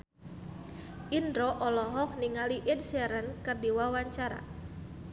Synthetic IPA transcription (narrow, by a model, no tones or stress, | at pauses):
ʔindɾɔʔɔlɔɦɔk̚niŋaliʔɪd̚sɛɾənkɨrdiwawaɲt͡ʃaɾa̰